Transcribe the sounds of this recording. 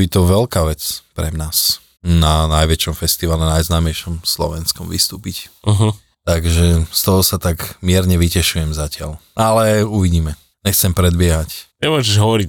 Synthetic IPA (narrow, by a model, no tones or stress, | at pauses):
bit̪ɔʋɛlkaːʋɛt͡spɾɛ̰naːs | nanajʋɛt͡ʃɔmfɛst̪iʋalɛnajznaːmɛjʃɔmslɔ̰ʋɛnskɔmʋist̪uːpic̩ɦ̩ | t̪aɡʒɛst̪ɔɦɔsat̪aɡmɪɛɾɲɛʋicɛʃujɛmzacɪa̰lʔalɛuʋiɟiːmɛ | ɲɛxt͡sɛmpɾɛd̪bɪɛɦac | ɛmʊɔːʒɛʒɦɔʋɔɾic